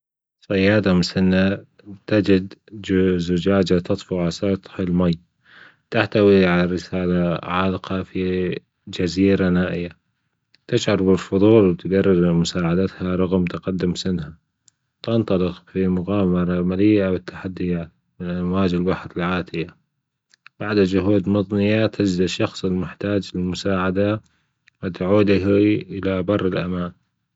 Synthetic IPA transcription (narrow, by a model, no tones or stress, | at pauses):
sˤɑjːɑːd̪amʊsɪnːa | t̪ɪd͡ʒɪd̪ | zʊd͡ʒaːd͡ʒat̪ɑt̪ˤfuʕasɑt̪ˤhɪlmaj | t̪aħt̪awiʕalaɾɪsaːlaʕalqɑfi | d͡ʒaziːɾanaːʔɪjːa | t̪ɪʃʕɑɾˤbɪlfʊðˤuːlwt̪ɡarˤːɑɾmʊsaːʕad̪at̪haɾˤɑɣmt̪ɪqad̪ːʊmsɪnha | t̪ɪnt̪ˤɑlɪqfimʊɣaːwmɑɾˤɑmalɪjːawɪt̪ːḁħad̪ːɪjaːt̪ | mɪnʔanwaːd͡ʒɪlbaħɾɪlʕaːt̪ɪja | b̥aʕd̪ad͡ʒʊɦuːd̪mɑðˤnɪjat̪ʰɪd͡ʒd̪ʃːɑxsˤɪlmɪħt̪aːd͡ʒlɪlmʊsaːʕad̪a | wɪt̪ʕuːd̪ɦiʔɪlabɑrˤːɪlʔa̰maːn